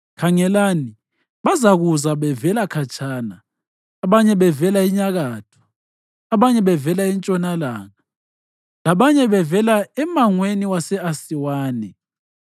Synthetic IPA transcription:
kʰaŋɛlaːni | βazaɣuzaβɛvɛlakʰat͡ʃʰʼaːnaː | βaɲɛβɛvɛlaiɲaɣaːtʰɔ̥ː | βaɲɛβɛvɛlaint͡ʃʼɔnala̰ːŋa | laβaɲɛβɛvɛlaɛmaŋweniwasɛasiwaːnɛ̰

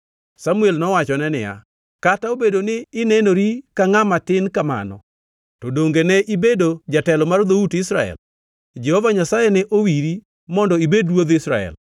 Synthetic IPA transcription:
samuelnɔwat͡ʃɔnɛnɪja̰ | kataobedonɪːnɛnoɾikaŋamatɪnkama̰nɔ̰ | tɔdoŋɡenɛʔibedod͡ʒatɛlɔmard̪outɪsɾaɛ̰l | d͡ʒɛhɔvaɲasajɛnɛʔowiɾi | mɔndɔibedwoðɪsɾa̰ɛ̰l

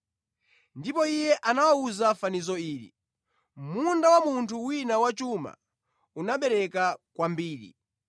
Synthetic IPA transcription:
ndipɔijɛʔanawauzafanizɔiːɾḭ | mundawamuntʰuwinawat͡ʃuma̰ | unaɓɛɾɛkakwambiːɾḭ

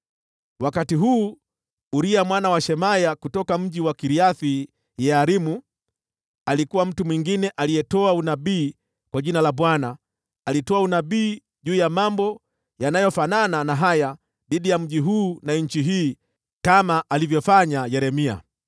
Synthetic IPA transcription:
wakatiɦuː | ɾiamwanawaʃɛmajakutɔkam̩ʄiwakiɾiaθi | jɛaɾimu | alikuwam̩tumwiŋɡinɛʔalijɛtɔaunaɓiː | kwaʄinalaɓwanaː | litɔaunaɓiː | ʄuːjamambɔ | janajɔfanananaɦaja | ɗiɗijam̩ʄiɦuːnaɲ̩t͡ʃiɦiː | kamaʔːlivjɔfaɲajɛɾɛmia̰

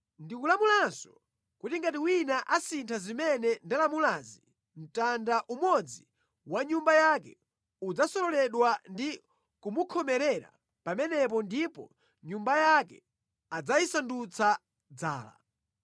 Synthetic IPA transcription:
ndikulamulansɔ̥ | kutiŋɡatiwinaʔasintʰazimɛnɛndalamulazi | m̩tandaʔumɔd͡zi | waɲumbajakɛ | ud͡zasɔɾɔlɛɗwandi | kumukʰɔmɛɾɛɾa̰ | pamɛnɛp̬ɔndipɔ̰ | ɲumbajakɛ̰ | ad͡zajisandut͡sʰa | d͡za̰ːla̰

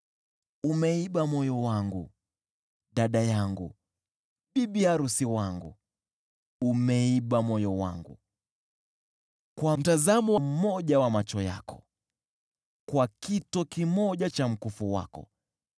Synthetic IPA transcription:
umɛiɓamɔjɔwaŋɡu | ɗaɗajaŋɡṵ | ɓiɓiaɾusiwaŋɡṵ | umɛiɓamɔjɔwa̰ŋɡṵ | kwam̩tazamɔwam̩mɔʄawamat͡ʃɔja̰kɔ̥ | kwakitɔkimɔʄat͡ʃam̩kufuwa̰kɔ̰

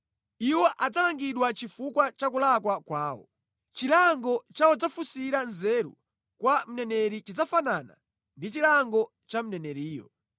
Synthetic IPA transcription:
iwɔʔad͡zalaŋɡiɗwat͡ʃifukwat͡ʃakulakwakwaːwɔ̰ | t͡ʃilaŋɡɔt͡ʃaɔd͡zafusiɾanzɛɾṵ | kwam̩nɛnɛɾit͡ʃid͡zafanana̰ | ndit͡ʃilaŋɡɔ | t͡ʃam̩nɛnɛɾiːjɔ̰

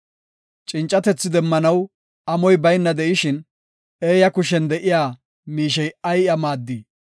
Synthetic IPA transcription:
t͡ʃʼɪnt͡ʃʼːɐt̪ɛt͡sːɪd̪ɛmːɐnɐw | ɐmɔjbɐjnːɐd̪ɛʔɪʃɪn | eːjɐkʊʃ̬ɛnd̪ɛʔɪjaː | miːʃ̬ɛjɐjɐmaːd̪ːi

